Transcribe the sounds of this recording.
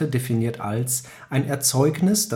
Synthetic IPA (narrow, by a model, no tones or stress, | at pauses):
ədefiniːɐtʰa̰ls | ʔaɪnʔɛɐt͡sɔʏknɪsd̥a